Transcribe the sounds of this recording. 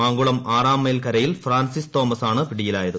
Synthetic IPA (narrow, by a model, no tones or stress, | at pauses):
aːŋɡuɭɐmaːraːmeːlkɐɾɐjilfraːnsist̪o̞ːmɐsaːɳɨpiɽijilaːjɐðɨ